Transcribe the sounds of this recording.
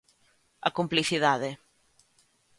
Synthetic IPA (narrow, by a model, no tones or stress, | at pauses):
akumpliθiðaðe